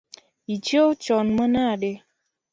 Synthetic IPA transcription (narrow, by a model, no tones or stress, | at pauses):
it͡ʃiot͡ʃɔnmənaɗe